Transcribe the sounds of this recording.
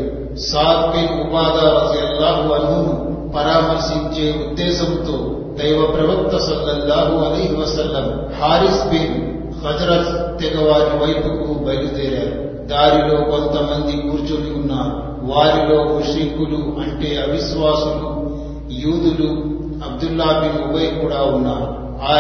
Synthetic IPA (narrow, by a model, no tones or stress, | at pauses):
saːd̪binubaːd̪aːɾɐd̪ijɐlːaːɦuɐnːunu | pɐɾaːmɐɾsiɲt͡ʃe̞ːud̪ːɛːsɐnt̪o̞ː | d̪ɐjʋɐpɾɐʋɐk̚t̪ːɐsɐlːɐlːaːɦuɐlɐjɦiʋɐsɐlːɐm | haːɾisbin | hɐd͡ʒɾɐt̪ːɛɡɐʋaːɾiʋɐjpukubɐjlud̪ɛːɾaːɾu | d̪aːɾilo̞ːko̞nt̪ɐmɐnd̪ikuːɾt͡ʃuliunːaːɾu | ʋaːɾilo̞ːmuʂiŋkuluʔɐɳʈe̞ːɐbʱiʃʋaːsulu | juːd̪ulu | ɐb̚d̪ulːaːbinubɐjkuːɽaːunːaːɾu | aː